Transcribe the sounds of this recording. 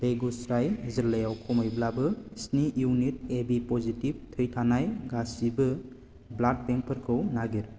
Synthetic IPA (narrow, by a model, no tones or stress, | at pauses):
leɡusɾajzɯlejawkʰɔmajblabɯsnijunit̚ebipɔzitib̚tʰɯjtʰanajɡasibɯ | blad̚peŋpʰəɾkʰɯwnaɡiɾ